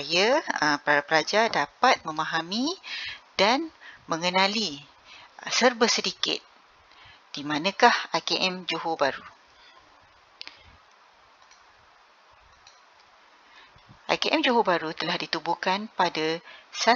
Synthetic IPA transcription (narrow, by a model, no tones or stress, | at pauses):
ajapəɾaapəɾad͡ʒadapat̪̚mə̃mãɦamĩd̥anmə̃ŋənãli | sərbəsədikɪ̰t̪̚ | d̥imãnə̃kahakeʔɛmd͡ʒoɦobaɾu | ʔa̰jkeʔɛmd͡ʒoɦobaɾut̪əlahdit̪ubukanpadasa